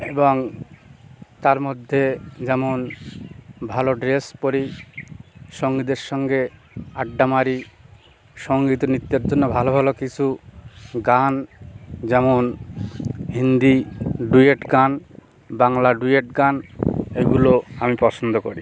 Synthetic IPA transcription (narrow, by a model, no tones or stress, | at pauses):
eboŋ | t̪aɾmod̪ʱːed͡ʑɛmon | bʱaloɖɾespoɾi | ʃoŋɡid̪eɾʃɔŋɡe | aɖːamaɾi | ʃoŋɡit̪onit̪ːeɾd͡ʑonːobʱalobʱalokit͡ɕʰu | ɡan | d͡ʑɛmon | ɦind̪iɖueʈɡan | baŋlaɖujeʈɡanejɡuloamipɔsʰond̪oko̰ɾi